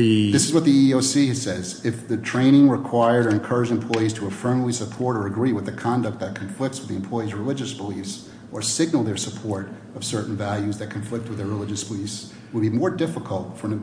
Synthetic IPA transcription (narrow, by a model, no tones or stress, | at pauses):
ðɪsɨzwʌt̪̚ðiioʊsisɛzɪfðɨtʰɹ̥ẽɪ̃ɾ̃ɪ̃ŋɹəkʰw̥aɪə˞ɾə˞ɨ̃nkʰɜ˞ɨd͡ʒɨ̃mpʰl̥ɔɪiz̥tʰəəfɜ̃˞mlˠisəpʰɔɹɾə˞ɨɡɹiwəðɨkʰɑ̃ndɨk̚t̪̚ðɨt̚kʰɱflɪk̚tswəðiɨ̃mpʰl̥ɔɪizɹɨlɪd͡ʒɨsb̥əlifs | ʔə˞sɪɡ̚nl̩ˠðə˞səpʰɔɹɾ | ʌv̥sɜ˞ʔn̩vælˠjʉzðɨt̚kʰɨ̃ɱflɪk̚t̚wɨðə˞ɹəlɪd͡ʒɨsb̥əlifs | wəd̚bimɔɹdɪfəkʰl̩ˠtfə˞n